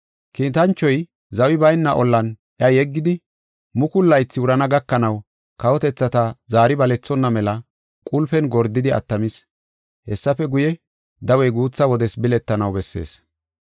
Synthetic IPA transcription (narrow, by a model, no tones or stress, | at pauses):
kiːt̪ɐnt͡ʃːɔj | zɐwɪbɐjnːɐʔɔlːɐn | ʔjɐjɛɡːɪd̪ɪ | mʊkʊlːɐjt͡sːɪʊɾɐnɐɡɐkːɐnɐw | kɐwɔt̪ɛt͡sːɐt̪ɐzaːɾɪbɐlɛt͡sːɔnːɐmɛlɐ | kʼʊlfɛnɡɔɾd̪ɪd̪ɪɐ̰t̪ːɐmɪs | hɛsːɐfɛɡʊjɛ | d̪ɐwɛjɡuːt͡sːɐwɔd̪ɛsbɪlɛt̪ːɐnɐwbɛsːe̞̰ːs